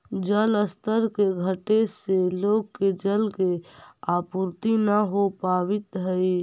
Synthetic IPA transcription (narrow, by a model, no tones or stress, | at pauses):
d͡ʒələst̪ʰəɾkeɡʱəʈeseloɡ̚ked͡ʒəlkeapuɾt̪inəɦopabɪt̪ɦəj